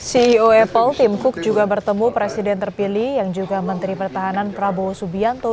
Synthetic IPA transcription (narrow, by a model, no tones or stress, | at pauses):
siːoɛpəlt̪imkʊk̚d͡ʒuɡabərt̪əmupɾesidɛnt̪ərpilihjaŋd͡ʒuɡamənt̪ɾipərt̪aɦananfɾabosubiant̪o